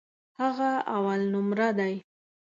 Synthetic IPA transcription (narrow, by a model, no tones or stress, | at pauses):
haɣaawalnʊmɾad̪aj